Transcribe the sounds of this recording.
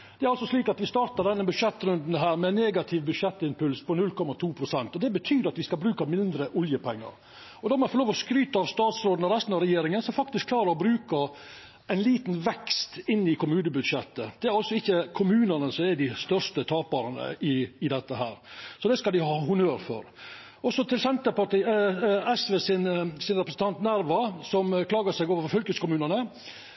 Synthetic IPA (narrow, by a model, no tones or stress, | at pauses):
d̪̥ɛæɾɑlsɔʂliːkɑt̪ʋɪst̪ɑːɾt̪ɑɖ̪ɛnːəbʉd̪ʂɛt̪ːɾʉnd̪n̩ɦæːɾmɛnːeːɡɑt̪ʰɪʋbʉd̪ʂɛt̪ːɪnpʰʉlspʰɔnʉlkʰɔmːɑt̪ʰuːpʰɾʊsɛnt̪ɔd̪ɛbət̪ʰyːd̪əɾɑt̪ʋɪskɑlbɾʉːkɑmɪnd̪ɾəʔʊljəpʰɛŋːɑ̰ɾ | ɔd̪ɔmɔɛfɔɾloːʋɔskɾyːt̪əɑʋst̪ɑːt̪sɾoːd̪n̩ɔɾɛst̪nɑʋɾɛjeːɾɪŋənsɔfɑk̚t̪ɪskʰlɑːɾəɾɔbɾʉːkə | ɛɪnliːt̪nʋɛkst̪ɪnːɪkʰʊmʉːnəbʉd̪ʂɛt̪ːəd̪̥ɛæɾɑlsɔɪçːəkʰʊmʉːnənəsɔmæd̪ɪst̪œʂt̪ət̪ʰɑːbɑɾənə̰ɪɪd̪ɛt̪ːəɦæːɾsɔd̪ɛskɑld̪ɪhɑːhʊnøːɾfɔ̰ɾ | ɔsɔt̪ɪlsɛnt̪əpɑʈiːɛsʋeːsɪnsɪnɾɛpɾəsn̩t̪ɑnt̪næɾʋɑsɔmkʰlɑːɡəsɛɪɡoːʋəɾfɔfœlkəskʊmʉːnənə